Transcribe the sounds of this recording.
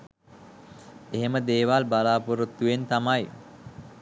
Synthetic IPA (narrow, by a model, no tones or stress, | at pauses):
eɦeməd̪eːʋalbalaːpoɾut̪ːuʋent̪amaj